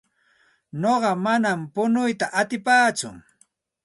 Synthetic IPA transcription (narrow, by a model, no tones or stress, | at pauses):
noɢɑmanampʊnʊjt̪aʔat̪ɪpaːt͡sʊ̰ŋ